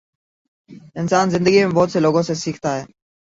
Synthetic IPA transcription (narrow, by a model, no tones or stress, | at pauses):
ɪnsaːnzɪ̃nd̪əɡimẽːbɔːt̪seːloːɡõːseːsiːkʰt̪aːɦɛː